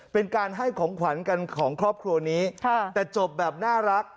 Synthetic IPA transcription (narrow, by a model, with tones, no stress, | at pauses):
pe˧nkaː˧nɦa˥˩jkʰɔː˩˦ŋkʰwa˩˦nka˧nkʰɔː˩˦ŋkʰɾɔː˥˩p̚kʰɾu˧ɐniː˦˥kʰa˧t̪ɛː˨˩t͡ɕo˨˩p̚bɛː˨˩p̚naː˥˩ɾa˦˥k̚